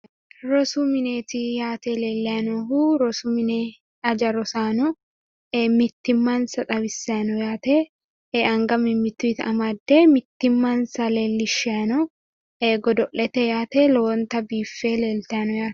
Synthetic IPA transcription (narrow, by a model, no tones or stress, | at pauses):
ɾɔsumɪneːt̪ɪjaːt̪eleːlːɛɐnɔhuɾɔsumɪne | ɐd͡ʒɐɾɔsaːnɔ | mɪt̪ːɪmːansɐt̪ʼɐbɪsːɛɐnɔjaːt̪eː | ɐŋɡɐmɪmːɪt̪ːuɪt̪ɐmad̪ːemɪt̪ːɪmːaːnsɐleːlːɪʃɛɐnɔ | ɡɔd̪ɔʔːɛt̪ɛjaːt̪eloːnt̪ɐbiːfːeːleːlt̪ɛɐnɔjaːt̪